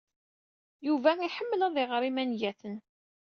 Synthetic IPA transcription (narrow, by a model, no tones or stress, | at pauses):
juvæiħəmːlæðˤɪʁɾimænjæθən